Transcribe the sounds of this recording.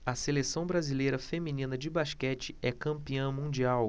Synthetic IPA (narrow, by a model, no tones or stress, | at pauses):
ɐselesɐ̃w̃bɾazilejɾɐfeminĩnɐd͡ʒɪbaʃkɛt͡ʃɪ̥ɛkɐ̃mpiɐ̃mũd͡ʒiaw